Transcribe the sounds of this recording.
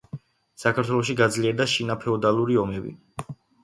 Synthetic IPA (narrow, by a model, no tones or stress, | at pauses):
sakʰaɾt̪ʰwɛlˠɔʃiɡad̪zliɛɾd̪aʃinapʰɛɔd̪alˠuɾiɔmɛbḭ